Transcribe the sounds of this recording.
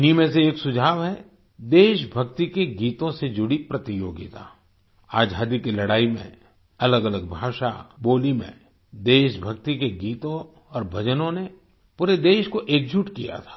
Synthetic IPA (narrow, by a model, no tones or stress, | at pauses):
niːmẽs̬eːksʊd͡ʒʱaːʋɦɛ | d̪eːʃbʱɐkt̪ikeɡiːt̪õsed͡ʒʊɽipɾɐt̪ijo̰ːɡit̪a̰ː | aːd͡ʒʱɦaːd̪ikilɐɽaːimḛ̃ | ɐləɡələɡ̚bʱaːʃa̰boːlimḛ̃ | d̪eːʃbʱɐk̚t̪ikeɡiːt̪õ | ɔːɾbʱɐd͡ʒənõne | puːɾed̪eːʃkoʔeːk̚d͡ʒuʈkija̰t̪ʰḁː